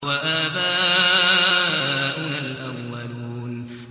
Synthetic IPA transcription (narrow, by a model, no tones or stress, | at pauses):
waʔaːbaːʔʔʔ | ʔʊnalʔamwaluːn